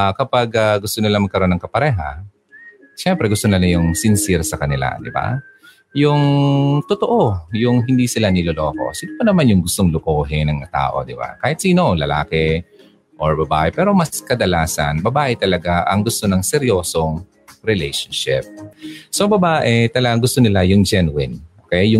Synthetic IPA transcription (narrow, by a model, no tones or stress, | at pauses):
akɐpaɡaɡʊst̪onɪlaɐŋmɐɡ̚kɐɾʔo̞nːɐŋkɐpɐɾɛːɦa̰ | ʃɛmpɾɛɡʊst̪onɐlɐjʊŋsɪnsɪɾsɐkɐnɪla̰d̪ɪba̰ | jʊŋt̪ot̪oʔojʊŋɦɪnd̪iːsɪlanɪloloːko̞̰sɪnupɐnɐmanjʊŋɡʊst̪oŋlʊkoːɦɪnɐŋɐt̪a̰ːʔo̞̰d̪ɪba̰kaːhɪt̪siːno̞lɐla̰ːkɛ | ʔoɹbɐba̰ːʔɛpɛːɾo̞mɐskɐd̪ɐlaːsɐ̰nbɐbaːʔɛt̪ɐlɐɡaʔɐŋɡʊst̪onɐŋsɛɾjo̞ːsoŋ | ɾɛlɛjʃɐnʃɪ̰p̚sobɐbaːʔɛt̪ɐlɐɡaŋɡʊst̪onɪlajʊŋd͡ʒɛnwɪnʔokɛjjjʊ